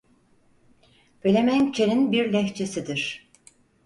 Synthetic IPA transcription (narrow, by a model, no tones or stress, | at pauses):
bʰølʲemæŋt͡ʃʰeɾinbiɾlʲɛçt͡ʃʰesid̪iɾ̥